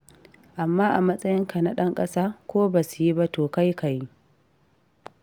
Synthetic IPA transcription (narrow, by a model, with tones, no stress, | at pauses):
ʔa˨mːaː˦ʔa˨mɐ˦sʼɐ˦jɪ˦ŋka˨na˨˦ɗɐ˦ŋkʼɐ˦saː˦kʷoː˦baː˨su˨ji˦ba˦toː˨ka˦jka˨ji˦